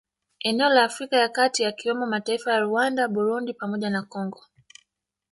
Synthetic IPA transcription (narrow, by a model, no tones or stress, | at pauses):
ɛnɛɔlaːfɾikajakatijakiwɛmɔmataifajaɾuandaɓuɾundipamɔʄanakɔŋɡɔ